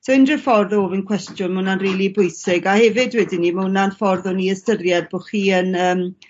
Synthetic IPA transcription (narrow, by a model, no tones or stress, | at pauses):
soɪndrɪfɔrðoːvənkʰw̥ɛstjʊnmunanriːlˠibʊjsɪɡahɛvɪdwɛdɪnimaunanfɔrðʊniəstərjɛdb̥oχiːənəːm